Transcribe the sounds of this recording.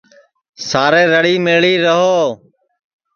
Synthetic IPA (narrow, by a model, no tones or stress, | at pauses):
saːɾeːɾəɽiːmeːɭiːɾəɦoː